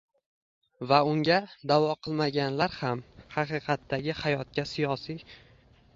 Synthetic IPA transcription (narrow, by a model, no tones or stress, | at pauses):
vaʊŋɡʲad̪avɒqʰɨlˠmaɡʲanlaɾhamhɑqʰɨqʰɑt̪ːaɡʲɪhajɒt̪̚kʲasijɒsi